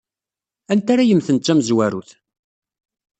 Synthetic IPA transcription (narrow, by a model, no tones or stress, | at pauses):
ænt̪aɾajəmθənt̪t͡ʃːæmzwæɾṵθ